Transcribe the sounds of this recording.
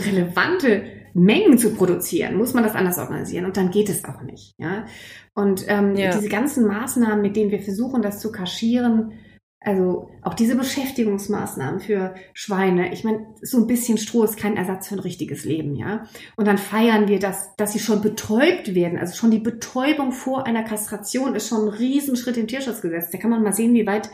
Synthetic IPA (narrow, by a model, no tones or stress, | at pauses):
ʁeləva̰ntəmɛŋənt͡supʁ̥oɾut͡sḭːʁə̰nmʊsmandasʔa̰ndɐsʔɔ̰ɐɡa̰nḭzḭːʁənʊnt̚d̥anɡeːtɛsa̰ʊxnɪ̰çtja̰ːʔʊntʔɛːmdiːzəɡant͡sn̩maːsnaːmənmɪt̚d̥eːnənviːɐfɛɐzuːxn̩dast͡sukʰaʃiːʁ̞ən | ʔalzoʔaʊxd̥iːzəbəʃɛftɪɡʊŋsma̰ːsna̰ːmənfyːɐʃv̥aɪnəʔɪ̰çmaɪnz̥oːnbɪsçənʃtʁ̥oːɪstkʰaɪnʔɛ̰ɐzat͡sfyːɐnʁɪçtɪɡəsleːbm̩ja̰ːʔʊntd̥anfaɪɐnviːɐdasd̥asz̥iːʃoːnbətʰɔʏp̚tv̥eːɐdn̩ʔa̰lzoʃoːndiːbətʰɔʏbʊŋfoːɐʔaɪnɐkʰastʁ̥at͡sjoːnɪstʃoːnnʁiːzn̩ʃʁ̥ɪtɪmtʰiːɐʃʊt͡sɡ̥əzɛt͡sd̥aːkʰanmanmaːlzeːənviːvaɪt